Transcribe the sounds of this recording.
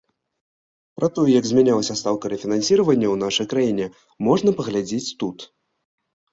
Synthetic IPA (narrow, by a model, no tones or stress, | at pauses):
pɾɐt̪ɔjɛjɐɡzʲmʲɛnʲalˠɐsʲɐst̪awkɐɾɛfʲinansʲiɾɐvɐnʲːɐwnaʂɐjkɾajinʲɛ | mɔʐnɐpɐɣlʲad͡zʲet͡sʲt̪ut̪